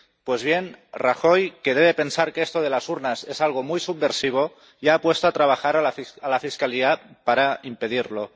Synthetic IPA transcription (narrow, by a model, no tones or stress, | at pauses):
pwezβ̞jenraxojkeðeβepensaɾkeest̪oð̞elasuɾnasezalɣ̞omujsub̚ːeɾsiβ̞o | iaːpwest̪oat̪ɾaβ̞axaɾalalafiskaliapaɾaimpeðiɾlo